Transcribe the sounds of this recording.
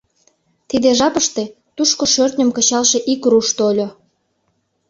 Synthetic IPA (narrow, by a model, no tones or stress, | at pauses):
t̪id̪eʒɑpəʃt̪e | t̪uʃkoʃørt̪nʲə̆mkə̆t͡ɕɑlʃeʔikruʃt̪olʲo